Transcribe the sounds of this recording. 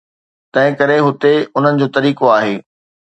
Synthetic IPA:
t̪ɐ̃ɦɪ̃kɐɾeɦʊt̪eʊn̤ənɪ̆d͡ʑoːt̪ɐɾiːkoaːɦeː

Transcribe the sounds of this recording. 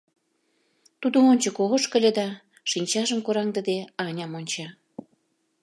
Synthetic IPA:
t̪ud̪oonʲt͡ɕəkoɣoʃkə̆lʲĕd̪ɑ | ʃinʲt͡ɕɑʒə̆mkoɾɑŋd̪ə̆d̪eɑnʲɑmonʲt͡ɕɑ

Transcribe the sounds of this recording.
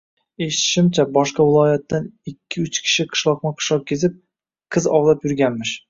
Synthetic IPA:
eʃɪ̥t̪ʰɪ̥ʃɪmt͡ʃʰabɒʃqɑvɪlˠɒjat̪ːanɪkʲʰːɪʊt͡ʃkʲʰɪ̥ʃɪqʰɨ̥ʃlˠɒqnɪqʰɨ̥ʃlˠɒq̚kʲʰezɪp̚ | qʰɨzɒwlˠapjʊɾɡʲanmɪʃ

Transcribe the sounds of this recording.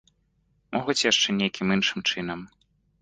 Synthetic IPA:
mʔɔɣut͡sʲjaʂt͡ʂɛnʲejkʲʰimɨnʂɨmt͡ʂɨnɐm

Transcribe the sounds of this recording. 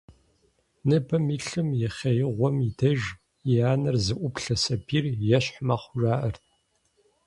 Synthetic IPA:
nɨbɐmiːɬɨmjɛχʲɐjɪʁʷɔmidɐʒ | iaːnɐrzɨʔʷʊpɬɐsɐbiːrjɛɕħmaχʷʊʒaːʔɐrt̚ʰ

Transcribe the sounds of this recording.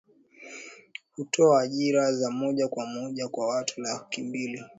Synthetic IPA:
hutʰɔaːʄiɾazamɔʄakwamɔʄakwawatʰunakimbili

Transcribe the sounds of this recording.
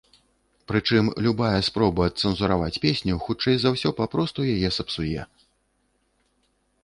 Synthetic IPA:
pɾɨt͡ʂɨmlʲubajɐspɾɔbɐːt̪sɛnzuɾavat͡sʲpʲesʲnʲuxut͡ʂɛjzawsʲɔpapɾɔst̪ujajɛsɐpsujɛ̰

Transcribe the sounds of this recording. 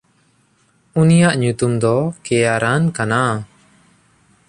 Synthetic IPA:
unijaʔɲut̪umd̪ɔkɛjaɾankana

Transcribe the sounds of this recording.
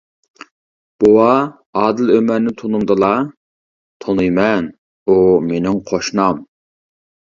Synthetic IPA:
b̥owɑ | ɑːd̪ɨlømɛɾnɪt̪ʰonumd̪ɨlˠɑ | t̪ʰonɨjmɛn | umenɪŋqʰoʃnɑm

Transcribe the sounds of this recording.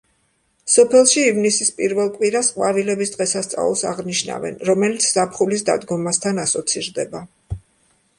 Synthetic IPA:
sɔpʰɛlˠʃiːvnisispʼiɾvɛlˠkʼwiɾasqʼwavilɛbisd̪ʁɛsast̪sʼa̰lˠsa̰ʁniʃna̰vɛ̰nɾɔmɛlit̪sʰz̥apχulisd̪a̰d̪ɡɔmast̪ʰanasɔt̪sʰiɾd̪ɛba

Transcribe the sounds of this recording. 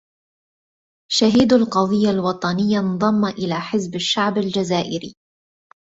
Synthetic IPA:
ʃaɦiːd̪alqɑðˤɨjːalwɑt̪ˤɑnɪjːanðˤɑmːaʔɪlaːħɪzbaʃːaʕbald͡ʒazaːʔɪɾḭː

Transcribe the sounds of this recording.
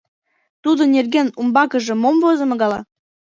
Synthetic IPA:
t̪ud̪onerɡenumbɑkə̆ʒĕmomvozɤ̆mɤ̆ɣɑlɑ̰

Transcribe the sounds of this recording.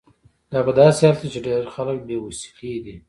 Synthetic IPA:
d̪̥ɑpəd̪ɑsehɑlt̪it͡ʃeɖeɾxalək̚bewasi̥qed̪i

